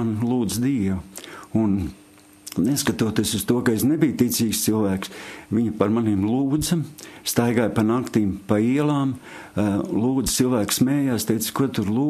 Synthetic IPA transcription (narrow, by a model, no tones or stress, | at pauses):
anlˠuːd̪zd̪iɛʋuun | neskat̪uɔt̪iːsust̪uɔkɐesnebijt̪it̪siːkst̪silˠvæːksʋiɲɐpaɾmaniːmlˠuːd̪zɐst̪ajɡaːjpanakt̪iːmpaiɛlˠaːm | lˠuːd̪zt̪silˠvæːksmɛːjaːst̪ɛjt̪skut̪uɾlˠuː